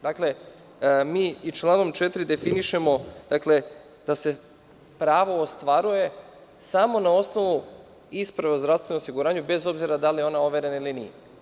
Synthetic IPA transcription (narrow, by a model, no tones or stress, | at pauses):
d̪akle̞ | miːit͡ʃlˠaːno̞mt͡ʃet̪ɾid̪e̞finiʃe̞mo̞d̪̥akle̞ | d̪̥ase̞ | pɾaːʋo̞ːst̪ʋaɾuje̞ | samo̞nao̞sno̞ʋu | ispɾaʋeozd̪ɾafst̪ʋe̞noosiɡuɾaːɲube̞zo̞bziɾad̪alijeo̞nao̞ʋe̞ɾe̞nailinḭje